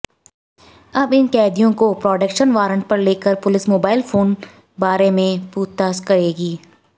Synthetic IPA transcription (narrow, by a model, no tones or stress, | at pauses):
ɐbɪnkɛːd̪ijõkopɾɔːɖəkʃənʋaːɾə̃ɳʈ̚pɐɾleːkəɾpʊlɪsmoːbaːɪlfoːn | baːɾemẽpuːt̪ːaːskɐɾeːɡiː